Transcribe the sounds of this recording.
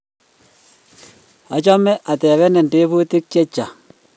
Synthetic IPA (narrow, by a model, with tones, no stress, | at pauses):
a˨t͡ʃɔ˦mɛ˦ʔa˨t̪ɛ˨βɛ˦nɛ˨nde˦βu˦t̪ɪ˦k̚t͡ʃe˦t͡ʃa˨